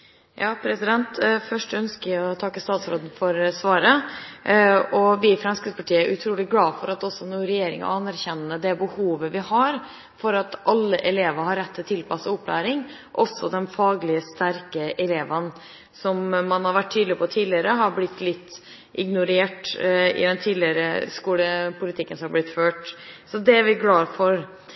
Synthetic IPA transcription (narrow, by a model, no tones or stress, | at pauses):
jɑːpʰɾɛsɪd̪ɛnt̪fœʂʈœnskəɪɔt̪ʰɑkːəst̪ɑːt̪sɾoːd̪n̩fɔɾsʋɑːɾə | ɔʋɪfɾɑnskəspɑʈiːəæɾʉt̪ʰɾuːlɪɡlɑːfɔɾɑt̪ɔsɔnuːɾɛjeːɾɪ̰ŋɔ̰ɑnːæɾçɛnənːəd̪ɛbəhuːʋəʋɪhɑɾ | fɔɾɑt̪ʔɑlːəʔɛleːʋəɾhɑɾːɛt̪ʰːɪlt̪ʰɪlpʰɑsəʊpʰːlæ̰ːɾɪŋ | ʔɔsɔd̪ɛnfɑːɡlɪəst̪æɾkəʔɛleːʋən | sɔmːɑnhɑɾʋæʈ̪ʰːyːd̪lɪpɔt̪ʰiːd̪lɪəɾəɦɑɾblɪt̪ːlɪt̪ː | ʔɪɡnʊɾeːʈɪ̰d̪ɛnt̪ʰiːd̪lɪəɾəskuːləpʰʊlɪt̪ʰɪkːənsɔmɑblɪt̪ːføːʈsɔd̪ɛæɾʋɪɡlɑːfɔɾ